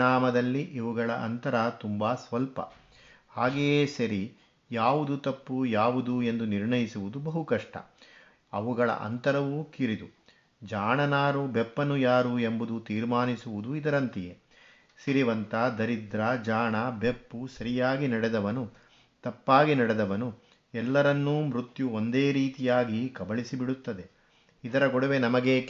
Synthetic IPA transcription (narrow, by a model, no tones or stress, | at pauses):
aːmɐd̪ɐlːiʔiʋuɡɐɭɐʔɐ̰nt̪ɐɾɐt̪umbaːsʋɐlpɐ̰ | haːɡejeːsɐɾi | jaːʋud̪ut̪ɐpːujaːʋud̪ue̞nd̪uniɾɳɐjisuʋud̪ubɐɦukɐʂʈɐ̰ | ɐʋuɡɐɭɐ̰ʔɐ̰nt̪ɐɾɐʋuːkiɾid̪u | d͡ʒaːɳɐnaːɾubepːɐnujaːɾuembud̪ut̪iːɾmaːnisuʋud̪uid̪ɐɾɐnt̪ije | siɾiʋɐnt̪ɐd̪ɐɾid̪ɾɐd͡ʒaːɳɐbepːusɐɾijaːɡinɐɽɛd̪ɐʋɐnu | t̪ɐpːaːɡinɐɽed̪ɐʋɐnu | ɛlːɐɾɐnːuːmɾut̪juo̞nd̪eːɾiːt̪ijaːɡikɐbɐɭisibiɽut̪ːɐd̪e̞ | id̪ɐɾɐɡɔɽɐʋenɐmɐɡe